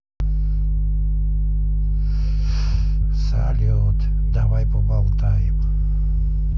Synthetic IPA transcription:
sa̰lio | t̪ | d̪aβajpobalt̪ajp

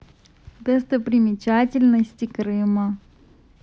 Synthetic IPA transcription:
d̪ɛst̪əpɾʲɪmʲɪt͡ɕatʲɪlʲnəsʲtʲɪkɾɨmə

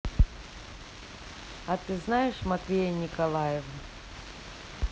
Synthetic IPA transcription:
ɐt̪ɨznajɪʂmɐt̪vʲejɐnʲikɐlˠajɛvə

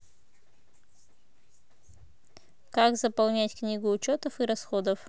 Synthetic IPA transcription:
kakzəpɐlˠnʲætʲknʲiɡʊːt͡ɕot̪əfɨɾɐsxod̪əf

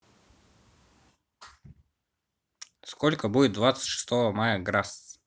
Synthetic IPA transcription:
skolʲkəbudʲɪt̪̚d̪vat̪sə̥tʲʂɨ̥st̪ovəmajəɡɾas

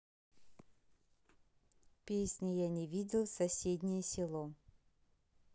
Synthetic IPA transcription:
pʲesʲnʲɪjanʲɪvʲidʲɪlˠsɐsʲedʲnʲɪjəsʲɪlˠɔ

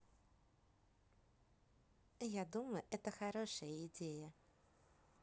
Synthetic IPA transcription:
jad̪uməjʊʔɛt̪əxɐɾoʂəjəɪdʲejə

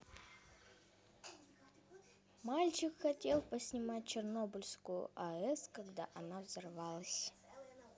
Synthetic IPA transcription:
malʲt͡ɕɪkxɐtʲelˠpəsʲnʲɪmat̚ʲt͡ɕɪrnobʊlʲskʊjʊ̰ʔɐɛskɐɡd̪a̰ʔɐnavzɐrvalˠəsʲ

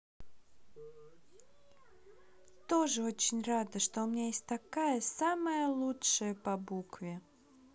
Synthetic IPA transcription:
t̪o̞ʐɨo̞t͡ɕɪnʲrad̪əʂt̪oʊmʲɪnʲajesʲtʲt̪ɐkajəsaməjəlˠutʂəjəpɐbukvʲɪ

